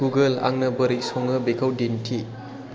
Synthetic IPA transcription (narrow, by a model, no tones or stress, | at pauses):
uɡɐla̰ŋnɐbəɾik̚sɔŋɯbekʰawdintʰi